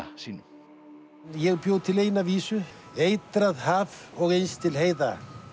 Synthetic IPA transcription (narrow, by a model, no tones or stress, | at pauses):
siːnʏ | jɛɣpjowt̪ʰɪlejnaviːsʏ | ejt̪ɾaðɦaːvɔɣejnst̪ʰɪlɦeːjða̰